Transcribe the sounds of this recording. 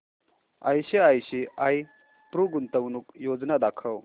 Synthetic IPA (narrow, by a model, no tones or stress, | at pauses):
a̰jsiajsiaj | pɾuɡunt̪ɐwnuk̚jod͡ʒnad̪akʰɐw